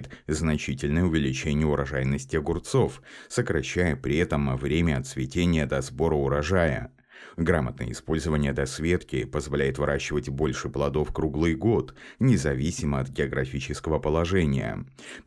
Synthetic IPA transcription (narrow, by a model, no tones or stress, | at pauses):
ɪt̪znɐt͡ɕitʲɪlʲnəjʊvʲɪlʲɪt͡ɕenʲɪjəʊɾɐʐajnəsʲtʲɪɐɡʊrt̪so̞fsəkɾɐɕːæjəpɾʲɪɛt̪əmvɾʲemʲəɐt̪svʲɪtʲenʲɪjəd̪ɐzbo̞ɾəʊɾɐʐajə̰ | ɡɾamət̪nə̰jə̰ɪ̰spo̞lʲzəvənʲɪjəd̪ɐsvʲe̞t̪kʲɪpəzvɐlʲæjɪt̪vɨɾaɕːɪvətʲbo̞lʲʂɨplˠɐd̪o̞fkɾuɡlˠɨjɡot̪nʲɪzɐvʲisʲɪməɐt̪ɡʲɪɐɡɾɐfʲit͡ɕɪskəvəpəlˠɐʐɛnʲɪ̰jə̰